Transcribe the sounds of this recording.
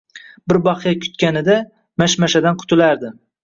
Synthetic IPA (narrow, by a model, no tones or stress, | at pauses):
bɪɾbɑqjakʲʰʊ̥t̪̚kʲanɪd̪a | maʃmaʃad̪anqʰʊ̥t̪ʰʊlaɾd̪ɪ